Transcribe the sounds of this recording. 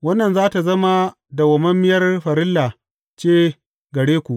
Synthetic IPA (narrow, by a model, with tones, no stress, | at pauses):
wɐ˦nːɐ˨nzaː˦ta˨zɐ˦ma˦ | da˨wɐ˨mɐ˦mːɪ˦jɐ˦rɸɐ˨ɾɪ˦lːa˨ | t͡ʃeː˦ | ɡɐ˨ɽeː˦kʷu˨ʔ